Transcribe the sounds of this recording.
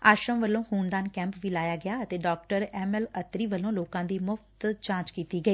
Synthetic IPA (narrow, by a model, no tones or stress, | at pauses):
aːʃɾəmʋəlːõːhuːnd̪aːnkɛ̃ːmpʋiːlaːjaːɡɪjaːət̪eːɖaːk̚ʈəɾɛːmɛlət̪ɾiːʋəlːõːloːkãːd̪iːmʊft̪t͡ʃãːt͡ʃkiːt̪iːɡəiː